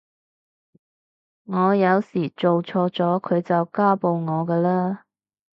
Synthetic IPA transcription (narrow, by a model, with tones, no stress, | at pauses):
ŋɔː˨˧jɐ˨˧wsiː˨˩t͡ʃo˨wt͡sʰɔː˧˥t͡sɔː˨˥kʰɵ˨˧ɥt͡sɐ˨wkaː˥po˧wŋɔː˨˧kɛː˧laː˥